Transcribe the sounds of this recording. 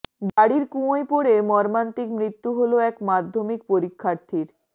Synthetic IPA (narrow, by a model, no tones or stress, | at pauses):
baɽiɾkũoepoɽemɔɾmant̪ikmɾit̪ːuɦoloɛkmad̪ʱːomik̚poɾikʰːaɾt̪ʰiɾ